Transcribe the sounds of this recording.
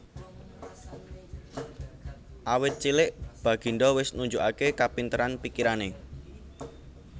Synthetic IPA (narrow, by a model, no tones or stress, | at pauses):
ʔawɪt̪̚t͡ʃilɪʔb̥a̤ɡ̥i̤ɳɖɔwɪsnuɲd͡ʒuʔakekapint̪əɾanpikiɾane